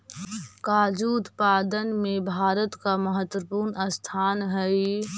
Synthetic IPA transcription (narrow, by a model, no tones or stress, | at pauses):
kaːd͡ʒuːt̪paːd̪ənmẽbʱaːɾət̪kaməɦət̪wəpuːɾnəst̪ʰaːnɦɛi